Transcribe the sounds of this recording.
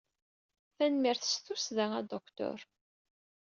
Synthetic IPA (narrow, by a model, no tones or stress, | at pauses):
θænmiɾθə̥sθusðæŋæd̪ɔkt̪ɔ̰ɾ